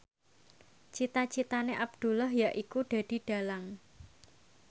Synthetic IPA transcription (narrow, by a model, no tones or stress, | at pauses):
t͡ʃit̪at͡ʃit̪aneʔab̚d̪̥ṳlɔɦjaʔikuɖ̥a̤d̥i̤ɖ̥a̤laŋ